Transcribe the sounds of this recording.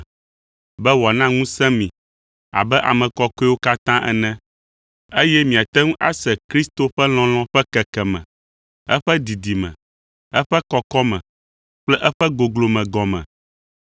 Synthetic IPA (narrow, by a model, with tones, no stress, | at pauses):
bɛ˦wɔ˨nã˦ŋũ˦sɛ̃˦mĩ˨ | a̰˨bɛ˦ʔa̰˨mɛ̃˨kɔ˦kɔ˦ɛ˦wo˦ka˦t̪ã˦ʔɛ̰˨nɛ̃˦ | e˦jɛ˦mĩ˨a˨t̪ɛ˦ŋũ˦ʔa̰˦sɛ˨kɾi˦st̪o˦ɸɛ˦l̃ɔ̃˨l̃ɔ̃˦ɸɛ˦kɛ˨kɛ˨mɛ̰̃˨ | ɛ̰˦ɸɛ˦d̪i˨d̪i˨mɛ̰̃˨ | ɛ˦ɸɛ˦kɔ˨kɔ˦mɛ̰̃˨ | k͡plɛ˦ʔɛ˦ɸɛ˦ɡo˨ɡlo˨mɛ̃˨ɡɔ˨mɛ̰̃˨